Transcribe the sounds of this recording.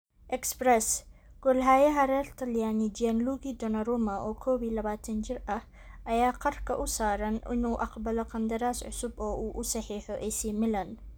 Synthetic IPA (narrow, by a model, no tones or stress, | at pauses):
ʔɛksbɾɛsɡ̥ɔlɦaːjɐɦɐɾɛːrt̪ʰɐljaːnɪd͡ʒɪɛnluɣid̪ɔnɐɾɔːmɐʔɔːkʰɔːβiːlɐβaːt̪ʰɐnt͡ʃɪrɐh | ʔɐjaːqɐrkʰɐʔʊsaːɾɐnʔɪ̰nuːʔɑqbɐlɔqɑnd̪ɐɾaːsʕʊ̰sʊbɔːʔuːʔʊsɑħiːħɔʔɛsiːmɪlɐn